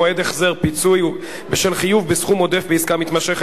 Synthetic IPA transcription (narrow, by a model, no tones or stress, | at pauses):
oed̪eχzeʁpit͡suj | beʃelχijuvbesχumo̞d̪efveiskamit̪maʃe̞χ